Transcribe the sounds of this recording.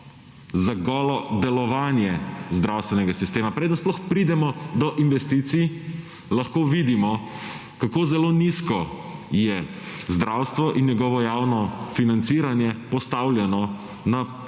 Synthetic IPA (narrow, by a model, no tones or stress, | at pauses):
zaɡɔːlɔd̪ɛlɔʋaːnjɛzd̪ɾawst̪ʋɛnɛɡasist̪eːmapɾeːd̪ənsplɔxpɾid̪ɛmɔd̪ɔʔinʋɛst̪iːt̪sij | lɐxkoʋid̪imɔ | kakoːzɛloːniskɔ | jɛ | zd̪ɾawst̪ʋɔʔinːjɛɡɔʋɔjawnɔfinant̪siːɾanjɛpɔst̪awlʲjɛnɔ | na